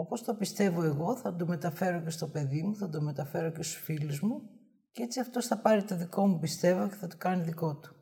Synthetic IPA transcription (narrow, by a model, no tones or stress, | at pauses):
opo̞st̪opist̪e̞vo̞e̞ɣo̞θɐd̪ome̞t̪ɐfe̞ɾo̞ce̞st̪o̞pe̞ðimuθɐd̪ome̞t̪ɐfe̞ɾocest̪u̥sfiluzmu | ceet͡siɐft̪o̞sθɐpɐɾit̪o̞ðiko̞mupist̪e̞voceθɐt̪o̥kɐniðiko̞t̪u̥